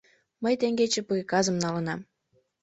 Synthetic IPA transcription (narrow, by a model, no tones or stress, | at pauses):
məjt̪eŋɡet͡ɕĕpɯekɑzə̆mnɑlə̆nɑm